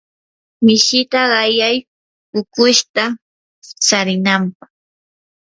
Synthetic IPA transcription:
mɪʃɪt̪aɢɑjaj | pʊkʊʃt̪a | t͡saɾɪnampɑχ

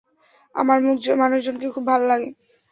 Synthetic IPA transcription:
a̰maɾmukmanuʃd͡ʑonkekʰubːʱalolaɡe

